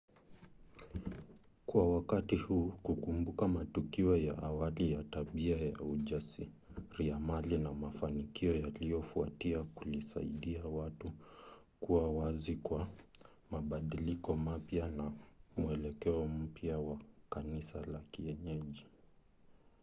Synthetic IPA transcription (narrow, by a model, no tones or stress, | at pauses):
kwawakatihuːkukumbukamatukiɔjaʔawalijataɓiaja̰uʄasi | ɾiamalinamafanikiɔjalijɔfuatiakulisa̰ḭɗiawatu | kuwawazikwa | maɓaɗilikɔmapjanamuɛlɛkɛɔm̩pjawakanisalakiɛɲɛʄi